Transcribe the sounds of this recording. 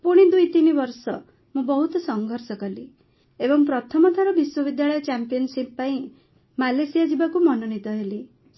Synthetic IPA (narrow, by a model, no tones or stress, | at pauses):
puɽ̃id̪ujt̪inibɔɾsɔ | mũbɔɦut̪ɔsɔŋɡʱɔɾsɔkɔli | ebɔŋpɾɔt̪ʰɔmɔt̪ʰaɾɔbiswɔbid̪jaɭɔjɔt͡ʃampijɔnsippaĩ | malesijad͡ʒibakumɔnɔnit̪ɔɦeli